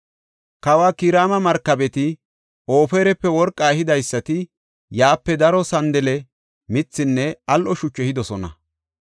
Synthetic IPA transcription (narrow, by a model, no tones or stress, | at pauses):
kɐwaːkiːɾaːmɐmɐɾkːɐbɛt̪ɪ | oːfeːɾɛpːɛwɔɾkʼːahɪd̪ɐjsːɐt̪ɪ | jaːpːɛd̪ɐɾɔsɐnd̪ɛlɛ | mɪt͡sːɪnːɛɐlʔɔʃʊt͡ʃːɛhɪd̪ɔsɔnɐ̰